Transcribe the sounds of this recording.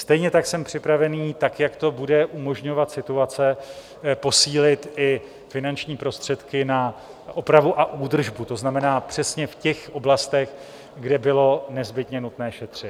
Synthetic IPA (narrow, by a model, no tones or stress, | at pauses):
st̪ɛjɲɛt̪aksɛmpr̝̥ɪpɾavɛniːt̪akjakt̪o̞budɛʔumo̞ʒɲo̞vat̪sɪt̪uat͡sɛ | po̞siːlɪt̪ɪ | fɪnant͡ʃɲiːpɾo̞st̪r̥ɛt̪kɪna | ʔopɾavuʔaʔuːd̪r̩ʒbut̪o̞znamɛnaːpr̝̥ɛsɲɛfcɛxʔo̞blast̪ɛx | ɡdɛbɪlo̞nɛzbɪt̪ɲɛnut̪nɛːʃɛt̪r̝̥ɪ